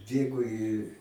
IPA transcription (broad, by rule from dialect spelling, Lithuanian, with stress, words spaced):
ˈbʲeːɡoː ɪ